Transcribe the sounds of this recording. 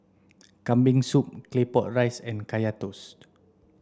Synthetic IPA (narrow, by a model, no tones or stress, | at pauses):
kãmbĩŋsup̚klepɔt̚ɹajsɛ̃nkajat̪us